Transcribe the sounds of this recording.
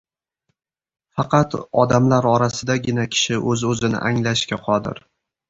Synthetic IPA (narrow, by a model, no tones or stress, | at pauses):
fɑqʰɑt̪ɒd̪amlaɾɒɾasɪd̪aɡʲɪnakʲʰɪ̥ʃɪʔɵzɵzɪnɪ̰ʔaŋlaʃkʲaqʰɒd̪ɪ̰ɾ